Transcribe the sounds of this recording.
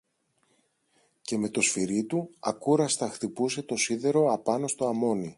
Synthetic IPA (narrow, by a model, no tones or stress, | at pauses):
ce̞me̞t̪o̞sfiɾit̪uɐ̰kuɾɐst̪ɐxt̪ipuse̞t̪o̞siðe̞ɾo̞ɐpɐno̞st̪o̞ɐmo̞ni